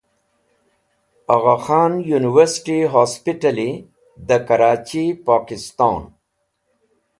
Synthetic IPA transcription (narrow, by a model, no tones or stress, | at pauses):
aɣaxɑːnjuniwəɾsʈiɦaspiʈali | d̪əkaɾɑːt͡ʃipɑːkɪst̪ɑːn